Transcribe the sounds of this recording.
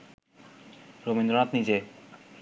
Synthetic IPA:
ɾomind̪ɾonat̪nid͡ʑe

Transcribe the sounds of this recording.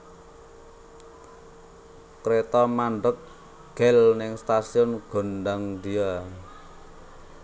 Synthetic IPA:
kɾet̪ɔmaɳɖək̚ | ɡ̥ɛlnɪŋst̪asiʊnɡ̥o̤nɖaŋd̪ia

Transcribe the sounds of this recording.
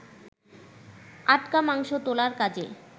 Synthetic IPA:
aʈkamaŋʃot̪olaɾkad͡ʑe

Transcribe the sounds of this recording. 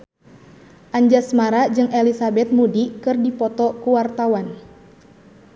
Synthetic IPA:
ʔaɲd͡ʒasmaɾad͡ʒɨŋelisabɛt̪̚mudikɨrdipɔt̪ɔkuwart̪awan

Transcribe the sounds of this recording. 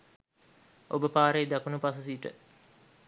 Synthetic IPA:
obəpaːɾeːd̪akunupas̬us̬iːʈə̰

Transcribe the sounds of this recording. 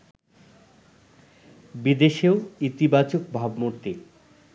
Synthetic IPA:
bid̪eʃeoit̪ibat͡ɕok̚bʱabmoɾt̪e

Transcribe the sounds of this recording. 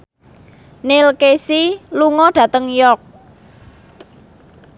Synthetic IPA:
nelkesiluŋɔɖ̥ä̤t̪əŋjɔk̚

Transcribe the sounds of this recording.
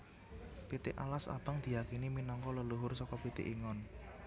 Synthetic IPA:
pit̪ɪʔa̰lasa̰b̥aŋd̪̥i̤jakiniminɔŋkɔləluɦʊrsɔkɔpit̪ɪ̰ʔiŋɔn

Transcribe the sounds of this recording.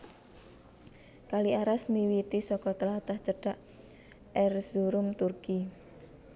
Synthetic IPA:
kaliaɾasniwit̪isɔkɔt̪əlat̪aht͡ʃəɖ̥aʔ | ɛrsuɾʊmt̪urki

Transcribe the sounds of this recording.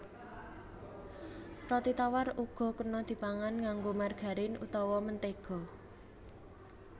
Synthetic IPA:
rɔt̪it̪awaruɡ̥ɔ̤kənɔd̪̥i̤paŋanŋaŋɡomarɡ̥a̤ɾɪnut̪ɔwɔmənt̪eɡ̥ɔ̤

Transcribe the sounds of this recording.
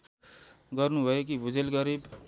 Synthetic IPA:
ɡʌrnubʱʌjekibʱud͡zelɡʌɾib

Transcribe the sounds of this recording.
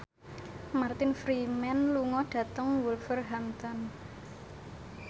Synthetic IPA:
mart̪ɪnfɾimɛnluŋɔɖ̥ä̤t̪əŋwulfərɦamt̪ɔn

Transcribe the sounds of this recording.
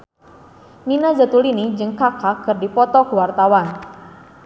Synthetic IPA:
ninazət̪ulinid͡ʒəŋkakakərdipɔt̪ɔkəwart̪awan

